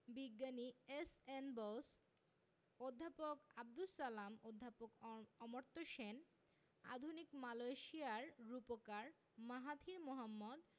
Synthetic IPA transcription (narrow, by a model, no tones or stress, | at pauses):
biɡːaniesenbos | od̪ʱːapokab̚d̪usːalamod̪ʱːapokɔmoɾt̪oʃen | a̰d̪ʱunikmalojʃiaɾɾupokaɾ | maɦat̪ʰiɾmoɦamːɔd̪